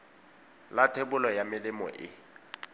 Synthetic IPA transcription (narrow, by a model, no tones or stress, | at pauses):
latʰebʊlɔjamɪlɪmɔ̰ʔɪ̰